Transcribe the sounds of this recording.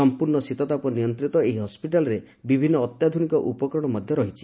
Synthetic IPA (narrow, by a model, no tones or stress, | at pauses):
ɔmpuɾɳɔsit̪ɔt̪apɔnijɔnt̪ɾit̪ɔeɦiɦɔspiʈalɔɾe | bibʱinːɔːt̪jad̪ʱunikɔʔupɔkɾɔɽ̃ɔmɔd̪ʱjɔɾɔɦit͡ʃʰi̥